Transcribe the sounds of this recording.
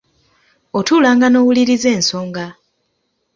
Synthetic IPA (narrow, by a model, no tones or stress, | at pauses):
otuːlaːŋɡano̞ːwuliɾize̞ːnso̞ːŋɡa